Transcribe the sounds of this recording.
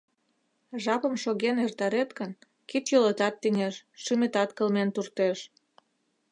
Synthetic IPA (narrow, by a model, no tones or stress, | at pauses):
ʒɑpə̆mʃoɣenert̪ɑɾet̪kən | kit̪jolət̪ɑt̪ːinʲeʃːymet̪ɑt̪kə̆lment̪urt̪eʃ